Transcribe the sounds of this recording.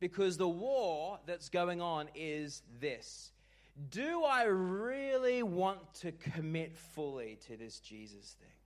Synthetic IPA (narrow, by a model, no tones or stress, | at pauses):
b̥ɨkʰʌzðəwɔɹðɨtsɡ̥oʊɪ̃ŋə̃nɪzðɪs | d̥ɨaɪɹɪlˠiwɑ̃ntʰɨkʰɨmɪtfʊlˠiɾɨðɪsd̥ʒ̥izɨsθɪ̰̃ŋ